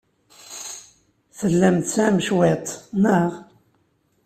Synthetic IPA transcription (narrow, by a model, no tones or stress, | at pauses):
θəlːæmt̪sæməʃwet̪ˤnəʁ